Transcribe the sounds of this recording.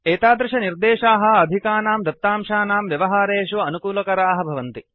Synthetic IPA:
eːt̪aːd̪ɾɪʃɐniɾd̪eːʃaːɦɐ̆ɐd̪ʱikaːnaːmd̪ɐt̪ːaːmʃaːnaːmʋjɐʋɐɦaːɾeːʃuʋɐɐnukuːlɐkɐɾaːɦɐbʱɐʋɐnt̪i

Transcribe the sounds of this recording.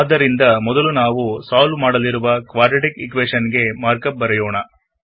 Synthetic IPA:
d̪ːɐɾind̪ɐmɔd̪ɐlunaːʋusaːlmaːɽɐliɾuʋɐkʋaːɾʈɐʈikikʋeːʂɐnɡe̞maːɾkɐp̚bɐɾɛjoːɳɐ

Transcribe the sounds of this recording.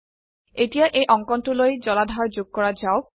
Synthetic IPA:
etijaʔejʔɔŋkɔntulojzɔladʱaɹzoɡ̚kɔɹazaʊ

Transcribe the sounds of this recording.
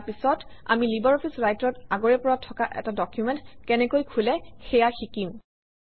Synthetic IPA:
pisɔt | a̰milibɛɹɔpʰisɹajtɹɔtaɡoɹɛpɔɹatʰːɔkaʔɛ̰tadɔkjumɛntkɛnɛkojkʰulɛxɛjaxikim

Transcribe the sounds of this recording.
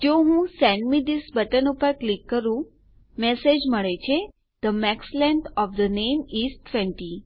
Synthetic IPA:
d͡ʒoɦũsɛɳɖmid̪isbəʈənupəɾklikːəɾũ | mɛsed͡ʒməɭet͡ʃʰe | d̪̥əmɛkslɛ̃ɳɖɔfd̪ənemisʈʰːʋɛ̃ɳʈi

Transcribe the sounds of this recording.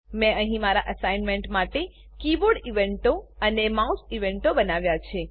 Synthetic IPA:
mɛ̃əɦĩmaɾaʔəsajnmẽɳʈmaʈe | kiboɖiʋeɳʈoənemausiʋeɳʈobənaʋjat͡ʃʰe

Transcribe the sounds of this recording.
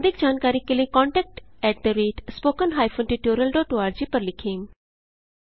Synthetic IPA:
d̪ʱɪkd͡ʑaːnkaːɾikeliekɔ̃ːɳʈɛk̚ʈɛːʈ̚d̪əɾeːʈspoːkənɦaːjfʰonʈiʈoːɾəlɖɔːʈoːaːɾd͡ʒiːpɐɾlɪkʰeːm

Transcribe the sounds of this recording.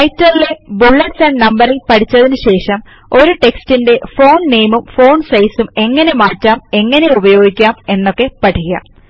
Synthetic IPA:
ɐjtːɐɾile̞buɭːɐʈsaːɳɖnɐmbɐɾilpɐʈʰit͡ɕːɐðinuɕe̞ːʂɐm | o̞ɾuʈe̞kstinde̞fo̞ːnne̞jmumfo̞ːnsɐjsume̞ŋːɐne̞maːtːaːme̞ŋːɐne̞ubɐjo̞ːɡikʲːaːme̞nːo̞kːe̞pɐʈʰiɣɐ̰m

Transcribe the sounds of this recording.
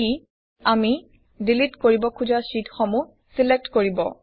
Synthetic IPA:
i | ami | dilitkoɹibɔkʰuzasitxomu | silek̚tkoɹibɔ̰

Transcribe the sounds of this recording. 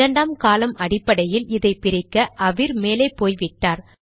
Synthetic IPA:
ɐɳɖaːmkaːlɐmʔɐɽɪpːɐɽɐjɪlɪðɐɪpɪɾɪkːɐʔɐʋɪɾmeːlɐɪpːoːjʋɪʈːaːɾ

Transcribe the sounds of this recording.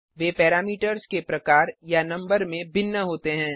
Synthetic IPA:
ʋeːpɛːɾaːmiːʈəɾskepɾɐkaːɾjanɐ̃mbəɾmẽbɪnːəɦoːt̪eɦɛ̃ː

